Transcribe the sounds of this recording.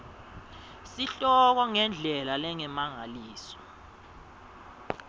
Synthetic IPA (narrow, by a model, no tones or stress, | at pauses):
siɬɔk̬waŋɛnd͡ɮʱɛlalɛŋɛmaŋaliːsɔ̥